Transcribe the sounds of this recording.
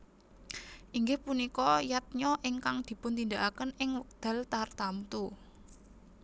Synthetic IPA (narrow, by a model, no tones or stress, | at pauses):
ʔiŋɡɪhpunikɔjat̪̚ɲɔʔɪŋkaŋd̪̥i̤pʊnt̪ind̪aʔakənɪŋwək̚d̪̥ä̤lt̪art̪amt̪u